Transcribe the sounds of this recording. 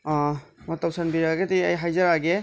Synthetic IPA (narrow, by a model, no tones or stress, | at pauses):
mɐtapsʰɐnbiɾaɡediɐjɦajzɐɾaɡe